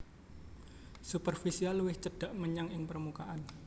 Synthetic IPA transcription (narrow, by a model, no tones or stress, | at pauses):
supərfisialuwɪht͡ʃəd̥a̤ʔməɲaŋɪŋpərmukaʔan